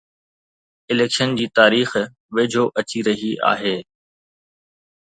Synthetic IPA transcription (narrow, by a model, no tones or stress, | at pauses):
ɪleːkʃənd͡ʑiːt̪aːɾiːx | ʋeːd͡ʑʱoːʔɐt͡ɕiɾɐɦiʔa̰ːɦeː